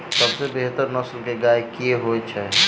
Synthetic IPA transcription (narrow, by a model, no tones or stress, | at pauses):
səbsebeɦt̪əɾnəslkeɡaekieɦoet͡ʃʰɛ